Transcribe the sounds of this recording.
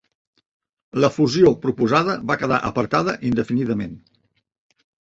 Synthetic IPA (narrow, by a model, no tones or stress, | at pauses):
ləfuziopɾupuzaðəβakəða̰ʔəpəɾt̪aðəʔind̪əfiniðəmen